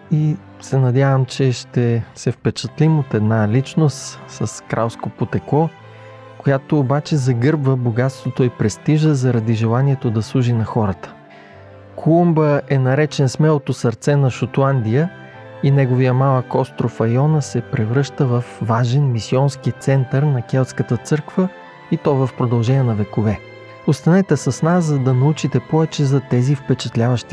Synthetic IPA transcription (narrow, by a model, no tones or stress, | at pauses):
i | sɛnɐd̪ʲavəmt͡ʃɛʃt̪ɛsɛfpɛt͡ʃət̪limot̪ɛd̪nalit͡ʃnost̪sɐskɾalˠskopot̪ɛkˠɔ | kojat̪oːbat͡ʃɛzɐɡɤɾbvəboɡat̪st̪vot̪oipɾɛst̪iʒəzɐɾɐd̪iʒɛlˠaniɛt̪od̪ɐslˠuʒinɐxɔɾət̪ə̥ | kʰolˠumbəɛnɐɾɛt͡ʃɛnsmɛlˠot̪osɐɾt̪sɛnɐʃot̪lˠand̪ijə | inɛɡovijəmalˠəkɔst̪ɾofɐjɔnəsɛpɾɛvɾɤʃt̪əvɐfːaʒɛnmisiɔnsk̟it̪sɛnt̪əɾnɐkɛlˠt̪skət̪ət̪sɤɾkvə | it̪ɔvɐfpɾod̪ɐlˠʒɛniɛnɐvɛkovɛ | ost̪ɐnɛt̪ɛsɐsnaszɐd̪ɐnɐut͡ʃit̪ɛpɔvɛt͡ʃɛzɐt̪ɛzifpɛt͡ʃɛ̥t̪lʲavəʃt̪i̥